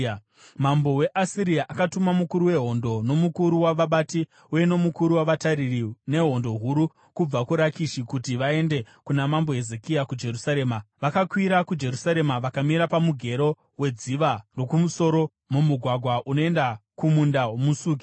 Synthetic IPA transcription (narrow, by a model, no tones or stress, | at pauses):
mambo̞we̞ʔasiɾiaʔakatumamukuɾuwe̞ɦo̞ndo̞no̞mukuɾuwaʋaɓati | uje̞no̞mukuɾuwaʋataɾirine̞ɦo̞ndo̞ɦuɾu | kub͡vakuɾakiʃikutiʋae̞nde̞ | kunamambo̞ɦe̞ze̞kiakud͡ʒe̞ɾusaɾe̞ːmaʋakakwiɾakud͡ʒe̞ɾusaɾe̞maʋakamiɾapamuɡʱe̞ɾo̞ | we̞d͡ziʋaro̞kumuso̞ɾo̞ | mumuɡʱwaɡʱwaʔuno̞e̞ndakumundaɦwomusuːki̥